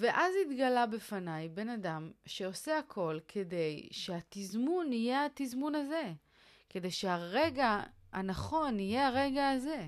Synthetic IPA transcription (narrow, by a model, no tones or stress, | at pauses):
ve̞ʔazit̪ɡalabe̞fanajbe̞nadamʃe̞o̞seakʰo̞lkʰe̞de̞jʃeat̪izmunijeat̪izmunaze̞ | ke̞de̞jʃeaʁe̞ɡaa̰naχo̞nije̞aʁe̞ɡaːze̞